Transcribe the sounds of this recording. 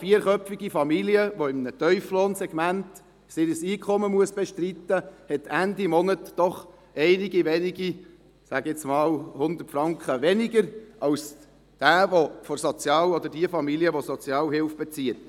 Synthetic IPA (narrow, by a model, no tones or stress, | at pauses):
fiəɾχœpfiɡifɑmiliəʋoɪmnət̪œʏflɔːnsɛɡ̥mænt̪ | sɪɾəsiːkʰχɔməmuəsb̥ɛʃtrit̪ːəhɛt̪ænd̪imɔnətd̥ɔχ | ɛɪniɡiʋɛniɡi | sæɡɛt͡smɑːlhʊnd̪ətfɾɑŋkχəʋɛnɪɡəɾʔɑws | d̥æːʋofɔɾsɔt͡sjɑːwɔd̪əɾdiəfɑmiliəʋɔsɔt͡sjɑːwɦɪlfb̥ɛt͡siət